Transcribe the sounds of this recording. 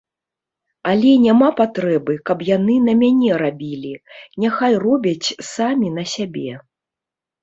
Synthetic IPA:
ɐlʲɛnʲamapat̪ɾɛbɨkɐpjanɨnɐmʲanʲɛɾabʲilʲinʲaxajrɔbʲɐt͡sʲsamʲinɐsʲabʲɛ

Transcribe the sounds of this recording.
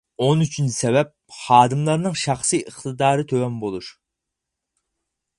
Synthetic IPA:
onyt͡ʃʰynsɛvɛp̚χɑːd̪ɨmlˠɑɾnɨŋʃɑχsiʔəχt̪ɨd̪ɑːɾɨt̪ʰøwɛmbolˠuʃ

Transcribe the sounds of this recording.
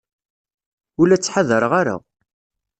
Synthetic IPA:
ʊlæt͡sːħaðəɾəʁaɾa̰

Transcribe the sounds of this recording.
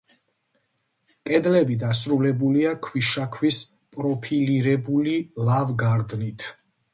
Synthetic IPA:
kʼɛd̪lɛbid̪asɾulɛbuliakʰwiʃakʰwis | pʼɾɔpʰiliɾɛbulilavɡaɾd̪nit̪ʰ

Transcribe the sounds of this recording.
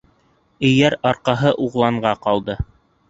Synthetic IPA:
ɘ̆jæɾɑɾqɑɦɤʔuʁlˠɑɴɢɑqɑlˠd̪ɤ

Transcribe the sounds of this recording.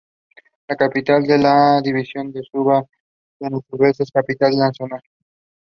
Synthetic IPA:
lakapit̪ald̪elaðiβisjond̪esuβa | denot̪uβeseskapit̪alansona

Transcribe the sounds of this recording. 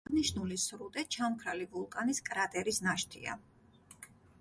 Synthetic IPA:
niʃnulisɾut̪ʼɛt͡ʃʰamkʰɾalivulˠkʼaniskʼɾat̪ʼɛɾisnaʃt̪ʰḭa̰

